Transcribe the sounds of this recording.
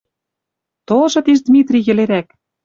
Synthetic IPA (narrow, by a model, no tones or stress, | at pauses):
t̪olʒɤ̆t̪iʃd̪mʲit̪rʲiɣɘ̆leɾæk̚